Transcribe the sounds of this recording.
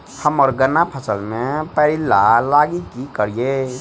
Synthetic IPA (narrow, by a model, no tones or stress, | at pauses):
həməɾɡənapʰəsəlmepəilalaɡikikəɾije